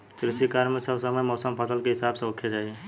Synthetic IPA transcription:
kɾisikaɾmesəbsəməjmɔːsəmpʰəsəlkeɦɪsabsə̃okʰːed͡ʒaie

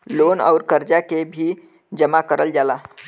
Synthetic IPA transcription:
lonə̰ʊɾkəɾd͡ʒakebʱi | d͡ʒəmakəɾəld͡ʒala

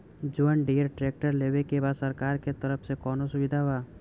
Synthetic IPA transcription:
d͡ʒʊənɖijəɾʈɾeːk̚ʈəɾleːʋekebaːd̪səɾkaːɾket̪əɾəfsekɔːnosʊʋɪd̪ʱaʋaː

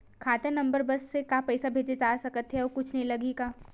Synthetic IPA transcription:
kʰaːt̪enɐ̃mbəɾbɐsːekaːpɛːsabʱeːd͡ʒed͡ʒaːsɐkət̪ɦɛɔːkʊt͡ʃʰnɐɦĩlɐɡeːɡaː

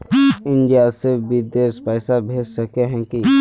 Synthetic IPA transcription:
ɪ̃nd͡ʒaːsɪbid̪eːspɛːsabʱeːd͡ʒsɐkeɦɛ̃ki

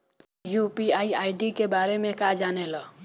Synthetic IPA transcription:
jupiaiajɖikebaɾemekad͡ʒanelʌ

